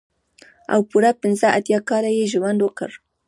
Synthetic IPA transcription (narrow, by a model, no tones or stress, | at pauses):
a̰wpʊɾapɪnzaʔat̪jakaɾajeʒʊwandoka̰ɾ